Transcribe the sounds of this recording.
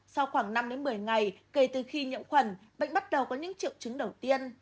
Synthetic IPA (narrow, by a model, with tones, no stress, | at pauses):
sa˧wxwaː˧˩ŋna˧mɗe˨˦nmɨ˨˩əjŋa˨˩jke˧˩t̪ɨ˨˩xi˧ɲɨ̰˧˨əmxwə˧˩nɓa̰˧˨ŋ̟ɓt̚ɗə˨˩wkɔ˨˦ɲɨ̰˧˥ŋt͡ɕḭ˧˨wt͡ɕɨ˨˦ŋɗə˨˩wt̪i˧ən